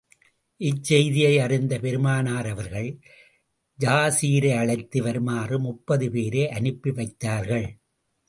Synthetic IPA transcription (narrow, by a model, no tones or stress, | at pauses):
ʔɪt͡ʃːɛjðɪjɐɪɐrɪnd̪ɐpɛɾɯmaːnaːɾɐʋɐɾɣɐɭ | d͡ʒaːsiːɾɐɐɭɐɪt̪ːɯʋɐɾmaːrɯmʊpːɐðɯpeːɾeːʔɐnɪpːiʋɐɪt̪ːaːɾɣɐɭ